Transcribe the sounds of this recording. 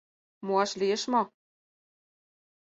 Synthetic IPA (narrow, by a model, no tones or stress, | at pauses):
muɑʃliə̆ʃmo